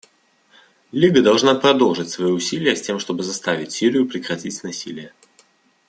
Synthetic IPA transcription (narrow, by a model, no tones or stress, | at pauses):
lʲiɡəd̪ɐlˠʐnapɾɐd̪olˠʐɨtʲsvɐjiʊsʲilʲɪjəsʲtʲe̞mʂt̪o̞bɨzɐst̪avʲɪtʲsʲiɾʲɪjʊpɾʲɪkɾɐtʲitʲnɐsʲḭlʲɪjə